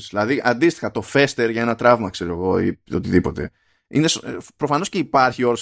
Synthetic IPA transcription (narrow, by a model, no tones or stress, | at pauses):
zðilɐðiʔɐnd̪ist̪i̥xɐt̪o̞fe̞st̪e̞ɾʝɐenɐt̪ɾɐvmɐkse̞ɾoeɣo̞iot̪iðipo̞t̪e̞̰ | ḭnespɾo̞fɐno̞sce̞ipɐɾçio̞ɾo